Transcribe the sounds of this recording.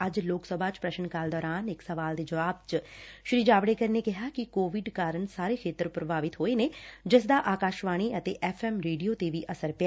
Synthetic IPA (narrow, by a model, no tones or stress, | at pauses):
əd͡ʒloːksəbʱaːt͡ʃpɾəʃəɳkaːld̪ɔːɾaːnɪksəʋaːld̪eːd͡ʒəʋaːb̚t͡ʃʃɾiːd͡ʒaːʋɽeːkəɾneːkɪɦaːkɪkoːʋɪɖkaːɾəɳsaːɾeːkʰeːt̪əɾpɾəbaːʋɪt̪ɦoːeːneːd͡ʒɪs̬d̪aːʔaːkaːʃʋaːɽ̃iːət̪eːʔɛːfʰɛːmɾeːɖijoːt̪eːʋiːʔəsəɾp